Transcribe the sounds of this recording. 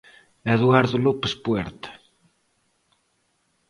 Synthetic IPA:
ɛðuaɾðulopəspuɛɾt̪ə̥

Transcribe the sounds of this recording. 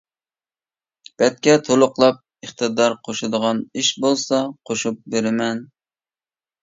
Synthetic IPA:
b̥ɛt̪̚kʲɛt̪ʰolˠʊqlˠɑp̚ | əχt̪ɨd̪ɑɾqʰoʃud̪əʁɑniʃbolˠsɑqʰoʃup̚beɾɪmɛn

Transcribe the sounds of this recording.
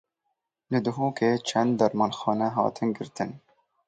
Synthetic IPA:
lɨd̪ʊɦuːkʰeːt͡ʃʰɛnd̪ːɐɾmɑnxɑːnɛɦɑ̰ːt̪ʰɨnɡɨɾt̪ɨn

